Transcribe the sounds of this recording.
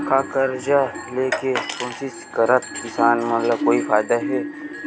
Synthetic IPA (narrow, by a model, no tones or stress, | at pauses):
kakɐɾd͡ʒaleːkekõːsɪskɐɾət̪̚kɪsaːnmɐt̪ləb̚koːifaːɪd̪aɦɛː